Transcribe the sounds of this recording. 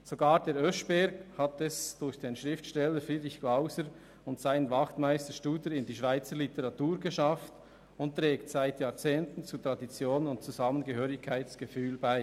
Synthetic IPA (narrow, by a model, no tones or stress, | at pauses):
z̥oɡaːʁdeːɾʔœʃb̥ɛɾɡhatɛsd̥ʊɾçd̥eːnʃʁɪftʃtɛləɾfiɾɪçklaʊsəɾ | ʊntsaɪnənvɑχtmaɪstəʃtuːdəɾɪndiːʃv̥aɪt͡səɾlitəʁɑtuːɾɡəʃɑft | ʊntʁɛːktsaɪtjaːt͡seːntn̩t͡sutʁɑdit͡sjoːnʊntt͡suzɑmənɡəhøːɾɪkʰːaɪt͡ssɡ̥əfyːlbaɪ